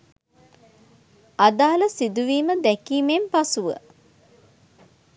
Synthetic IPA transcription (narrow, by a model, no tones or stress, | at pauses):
ad̪aːləsid̪uʋiːməd̪ɛkiːmempasuʋə̰